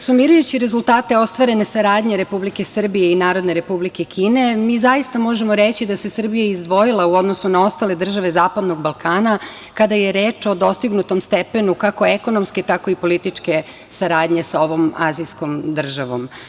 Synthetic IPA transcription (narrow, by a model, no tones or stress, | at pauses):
sumiːɾujut͡ɕiɾe̞zulˠt̪aːt̪e̞o̞st̪ʋaɾe̞ne̞saɾaːd̪ɲe̞ɾe̞publike̞sr̩bijeinaːɾo̞d̪ne̞ɾe̞publike̞kʰiːne̞miːzajist̪amo̞ʒemo̞ɾe̞t͡ɕid̪ase̞sr̩bijaizd̪ʋo̞jilˠauo̞d̪no̞sunao̞st̪ale̞d̪r̩ʒaʋe̞zaːpad̪noɡbalˠkaːna | kad̪aje̞ɾe̞ːt͡ʃo̞d̪o̞st̪iɡnut̪o̞mst̪epe̞nukako̞eko̞no̞msket̪ako̞ipo̞lit̪it͡ʃke̞ | saɾaːd̪ɲe̞sao̞ʋo̞mazisko̞md̪r̩ʒaʋo̞̰m